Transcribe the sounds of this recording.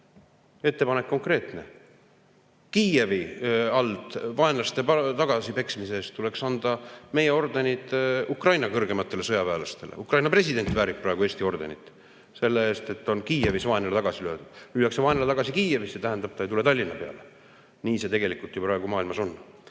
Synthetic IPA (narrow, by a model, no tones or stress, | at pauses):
e̞t̪ːe̞pɑnekːo̞ŋkre̞ːt̪ne̞̰ | kiːe̞viɑld̪̥vɑe̞nlɑst̪e̞t̪ɑɡ̥ɑsipe̞ksmiseːst̪t̪ːule̞ksɑnd̪̥ɑme̞je̞o̞rd̪e̞nit̪ukrɑjnɑkɤrɡ̥e̞mɑt̪ːˑe̞le̞sɤjɑpæːlɑst̪e̞lḛukrɑjnɑpre̞sid̪e̞nt̪væːɾik̚prɑe̞ɡue̞ːst̪io̞rd̪e̞̰nʲit̪ːˑ | se̞lːee̞ːst̪e̞t̪ːo̞nkiːe̞visvɑe̞nelet̪ɑɡɑsilø̞ːd̪̥ud̪̥lyːjɑkseɑenelet̪ɑɡ̥ɑsikiːe̞vise̞t̪æɦænd̪ɑb̥̚t̪ɑejt̪ule̞t̪ɑlʲːinːɑpe̞ɑ̰le | niːse̞t̪e̞ɡe̞likult̪jupɾɑe̞ɡ̥umɑːilmɑso̞nː